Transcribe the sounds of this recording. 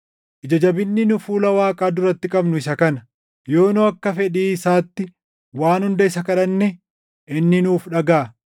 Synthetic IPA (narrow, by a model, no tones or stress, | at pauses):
ʔɪd͡ʒɐd͡ʒɐbɪnːɪnʊfuːlɐwaːkʼaːd̪ʊɾɐt̪ːɪkʼɐbnʊɪsɐkɐnɐ | jo̞ːnoɐkːɐfɛᶑiːɪsaːt̪ːɪ | waːnhʊnd̪ɐɪsɐkɐᶑɐnːɛ | ʔɪnːɪnuːfᶑɐɡaː